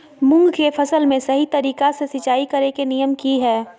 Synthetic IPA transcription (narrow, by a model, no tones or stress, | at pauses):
mʊ̃ŋɡkefʰɐsəlmẽsɐɦit̪ɐɾiːkasesɪt͡ʃaːikɐɾekenijəmkiɦɛː